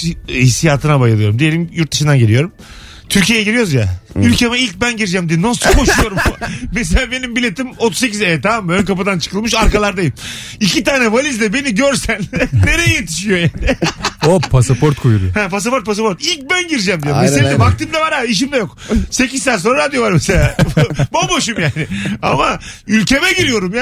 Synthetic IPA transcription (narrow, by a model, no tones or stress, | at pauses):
isijaːt̪ʰɯnabajɯlˠɯjo̞ɾumd̪ije̞lʲimjuɾt̪̚d̪ɯʃɯnd̪anɟelijo̞ɾum | t̪ʰyɾcʰijejɛɟiɾijo̞ɾuzjaylʲcʰemɛilʲc̚bænɟiɾd͡ʒɛmd̪ijnosukʰo̞ʃujo̞ɾumes̬elʲaːbe̞nimbilʲe̞t̪ʰimot̪ʰu̥zs̬e̞c̬izɛt̪amamːønkapɯd̪ant͡ʃʰɯ̥kʰɯlˠmɯʃ̬aɾkalˠaɾd̪ajim | icʰit̪aːnɛvalʲizd̪ɛbe̞niɟøɾsænne̞ɾejijet̪ʰi̥ʃijo̞jaːnɪopʰasapoɾt̪kʰojuɾuohæpas̬apo̞ɾt̪̚pʰas̬apo̞ɾt̪ilʲc̚bænɟiɾd͡ʒɛmd̪ijmeseɛbak̚t̪ɯːmd̪avaɾaiʃ̬imd̪ajokse̞cizt̪æns̬onɾaɾad̪ijo̞vaɾmeselʲaːbabo̞ʃumjaːnɪa̰maylʲcʰe̞mɛɟiɾijo̞ɾumja